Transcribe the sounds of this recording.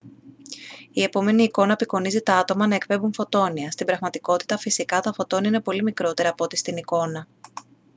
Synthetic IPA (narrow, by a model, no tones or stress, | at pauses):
ie̞po̞me̞niːko̞nɐpiko̞nizit̪ɐɐt̪o̞mɐnɐe̞kpe̞buɱfo̞t̪o̞niɐst̪ibɾɐɣmɐt̪iko̞t̪i̥t̪ɐfisikɐt̪ɐfo̞t̪o̞niinepo̞limikɾo̞t̪e̞ɾɐːpo̞t̪ist̪iniko̞nɐ